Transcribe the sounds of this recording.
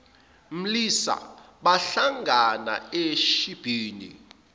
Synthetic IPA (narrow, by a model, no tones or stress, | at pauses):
m̩lisa̰ɓaɬaŋʱana̰eʃib̥ʱiːnḭ